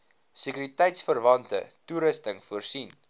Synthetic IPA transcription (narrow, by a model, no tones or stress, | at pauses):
səkyɾitɛjtsfərvɐntə̰tuɾəstəŋfuərsin